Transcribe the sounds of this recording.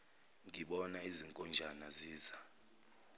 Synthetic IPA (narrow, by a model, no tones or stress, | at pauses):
ŋiɓɔnaiziŋkʼɔnd͡ʒʱanaziːza